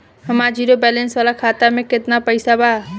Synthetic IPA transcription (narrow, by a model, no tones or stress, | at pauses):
ɦɐmad͡ʒiːɾobɛːlɛnsʋaːlakʰaːt̪amẽkɪt̪napəɪsabʱaː